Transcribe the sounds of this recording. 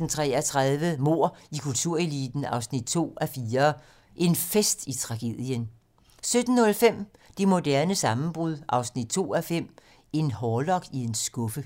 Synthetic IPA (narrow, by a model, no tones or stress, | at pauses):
n̩t͡sʰʁɛ̰æt͡sʰʁaðˠʋəmo̝ɐ̰ikʰult͡sʰuɐ̰e̝lḭd̥n̩ɑ̈ʊsnid̥̚t͡sʰo̝̰ːæfiːɐ | ʔe̝nfesd̥it͡sʰʁɑ̈ɡ̥e̝̰ð̰ˠjən | sød̥n̩ːɔ̽lfem̰ | d̥emo̝d̥æɐnəsɑ̈mn̩b̥ʁuð̞ˠʔɑ̈ʊsnid̥̚t͡sʰo̝̰ːæfem̰ | e̝nhɒːlɒ̽ɡ̥ie̝nsɡ̥ɔ̽fə